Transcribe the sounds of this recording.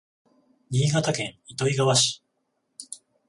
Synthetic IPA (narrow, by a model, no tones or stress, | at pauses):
ɲʲiːɡat̪akẽ̞ŋ̃it̪o̞iɡaβaɕi̥